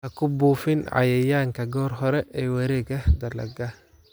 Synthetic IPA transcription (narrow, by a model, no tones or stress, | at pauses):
hɐkʰʊbuːfɪnʕɑ̰jɛjaːŋkʰɐɡɔːrɦɔɾɛʔɛːwɐɾɛːɡɐd̪ɐlɐ̰ɡɐ